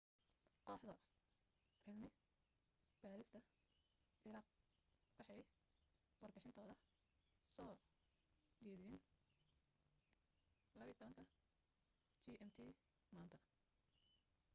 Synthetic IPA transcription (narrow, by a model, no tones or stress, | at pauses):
qɔːħd̪ɐ | rɪɡnɪ | b̥aːɾɪst̪ʰɐ | ʔɪɾaːq̚ | wɑħɑj | wɐrbɪħɪnt̪ʰɔːðɐ | sɔː | ɛːðɪɪn | lɐβjt̪ʰɔβɐŋkʰɐ | t͡ʃiːʔɛmt̪ʰiː | maːnt̪ʰɐ